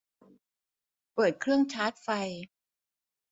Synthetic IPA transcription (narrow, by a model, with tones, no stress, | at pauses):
pɤː˨˩t̪̚kʰɾɯ˥˩əŋt͡ɕʰaː˦˥t̪̚fa˧j